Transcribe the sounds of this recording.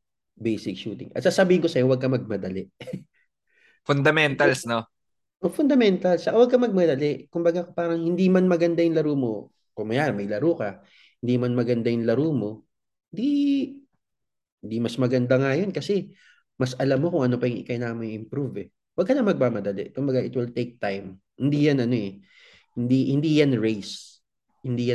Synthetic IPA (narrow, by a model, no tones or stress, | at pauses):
bejsɪk̚ʃuːt̪ɪ̰ŋʔɐ̰t̪saːsɐbiːhɪnkosɐjo̞wɐɡ̚kɐmɐɡ̚mɐd̪ɐlɛ | fʊnd̪ɐmɛnt̪ɐlsno | ʔofʊnd̪ɐmɛnt̪ɐlt͡ʃɐkawɐɡ̚kɐmɐɡ̚mɐd̪ɐlɛkʊmbɐɡakpaːɾɐŋhɪnd̪imɐnmɐɡɐnd̪ajʊŋlɐɾuːmo̞ | kʊŋmɐjaːɾɐmɐjlɐɾuːkɐ | hɪnd̪imɐnmɐɡɐnd̪ajʊŋlɐɾuːmo̞ | hɪnd̪i | hɪnd̪imɐsmɐɡɐnd̪aŋajo̞nkɐsɛ | mɐsʔɐlamːo̞kʊŋʔɐnopɐjʊŋʔɪ̰kajnaːmɐjʔɪmpɾuvɛ | wɐɡ̚kːɐnɐmɐɡ̚maːmɐd̪ɐlɛ̰ʔkʊmbɐɡaʔɪt̪wɪlt̪ejk̚t̪ajm | hɪnd̪iːjɐnʔɐno̞ʔɛ | hɪnd̪ihɪnd̪iːjɐnɹejs | hɪnd̪iːja